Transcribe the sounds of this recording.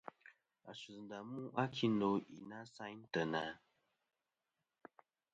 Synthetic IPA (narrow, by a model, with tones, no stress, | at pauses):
a˨su˨zn˨da˨mu˦ʔa˦kʰi˦n̩do˨˦ḭ˨na˦sa˦ɲn˦tə˨na˨